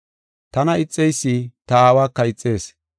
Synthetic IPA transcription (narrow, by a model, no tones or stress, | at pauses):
t̪ɐnɐɪt͡sʼːɛjsːit̪ɐaːwaːkːɐɪt͡sʼːeːs